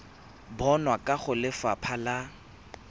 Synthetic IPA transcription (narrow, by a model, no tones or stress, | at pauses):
bɔnwakʼaχʊlɪfapʰala